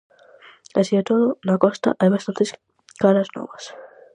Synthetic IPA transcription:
asiet̪oðonakost̪a̰ʔajβast̪ant̪es | kaɾazno̰βas

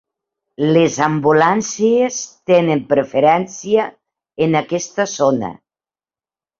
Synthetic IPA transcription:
lezambulansiest̪enempɾefeɾɛnsiə | enakɛst̪əzonə̰

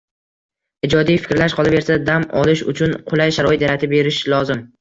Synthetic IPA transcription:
ɪd͡ʒɒd̪ijfɪ̥kʲɾlaʃ̬qʰɒlˠabe̞ɾsad̪amɒ̰lɪʃʊ̰t͡ʃʰʊnqʰʊlˠajʃaɾɒɪt̪jaɾat̪ʰɪbe̞ɾɪʃlɒzɪm

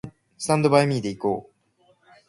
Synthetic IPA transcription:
sɨ̥t̪ãnd̪o̞baemʲiːd̪e̞ikoː

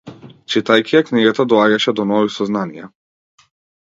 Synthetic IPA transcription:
t͡ʃit̪ajkʲiakniɡat̪ad̪ɔaɟaʃɛd̪ɔnɔvisɔznanijɛ̰

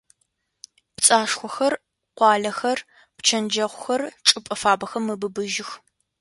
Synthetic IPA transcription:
pt͡sʼaːʂxʷɔxɐr | qʷɑːɮɐxɐr | pt͡ʃʰɐnd͡ʒɐʁʷʊxɐrʈ͡ʂʼɨpʼɐfaːbɐxɐmːɨbɨbɨʒɪx

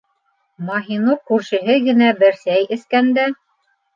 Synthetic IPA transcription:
mɑɦinokːʉɾʃɘ̆ɦɘɡɘ̆næbɘ̆ɾsæjʔɘ̆θkænd̪æ

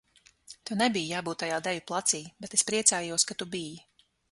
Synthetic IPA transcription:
t̪unɛbijjaːbuːt̪ːajaːd̪ɛvʲuplˠat̪siːbɛt̪espɾiɛt̪saːjuɔskat̪ubiji

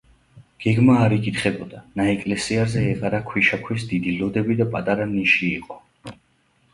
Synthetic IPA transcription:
ɡ̥ɛɡmaːɾikʼit̪χɛbɔd̪anaɛkʼlɛsiaɾzɛːqʼaɾakʰwiʃakʰwis̬d̪id̪ilɔd̪ɛbid̪apʼat̪ʼaɾaniʃiːqʼɔ

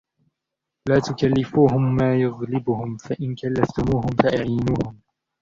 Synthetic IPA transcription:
laːt̪ʊkalːɪfuːɦʊmːaːjʊɣlɪbʊhʊmfaʔɪnkalːaft̪ʊmuːɦʊmfaʔaʕijːnuːhʊm

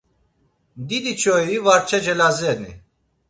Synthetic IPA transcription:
d̪id̪it͡ʃʰɔivaɾt͡ʃʰɛd͡ʒɛlazɛnḭ

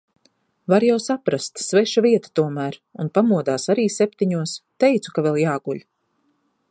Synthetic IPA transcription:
vaɾjawsapɾast̪svɛʃaviɛt̪ḁt̪uɔmæːɾunpamuɔd̪aːsaɾiːsɛpt̪iɲuɔst̪ɛjt̪su̥kavɛlˠjaːɡuʎʲ

